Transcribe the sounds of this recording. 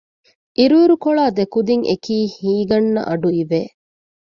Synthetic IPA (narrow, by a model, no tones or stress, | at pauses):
ʔiɾuːɾukoɭaːd̪ekud̪iŋekiːhiːɡɐnːɐ̰ʔɐɖuiʋeː